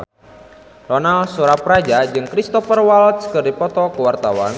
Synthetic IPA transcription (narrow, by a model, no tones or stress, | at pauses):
rɔnalsuɾapɾad͡ʒad͡ʒɨŋkɾist̪ɔfərwalt̪skɨrdipɔt̪ɔkəwart̪awan